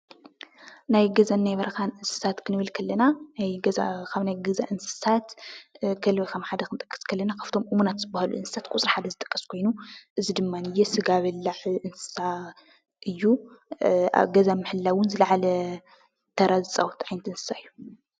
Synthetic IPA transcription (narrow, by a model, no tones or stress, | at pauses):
najɡɐzanːajβɐɾɐkanʔɨnsɨ̥sat̪kʰɨnɨβɨlkʰɐlːɐnanajɡɐzakʰaβnajɡɐzaʔɨnsɨ̥sat̪kʰɐlwikʰɐmħad̪ɐkʰɨnt̪ʼɐkʼːɐ̥skʰɐlːɐnakʰaft̪ʰo̞mʔɨmunat̪z̥ɨbahalṵʔɨ̰nsɨ̥sat̪kʷʼut͡sʼɾiħad̪ɐzɨt̪ʼɐ̥kʼːɐskʰo̞jnuʔɨzid̪ɨmːanɨjɛsɨɡaβɐlːaʕʔɨnsɨ̥sa | ʔɨjːu | a̰ɡɐzamːɨħɨlːawʊnzɨlɐʕalɐ | t̪ʰɐɾazɨt͡sʼawt̪ʕajnɐt̪ɨnsɨ̥saɨjːu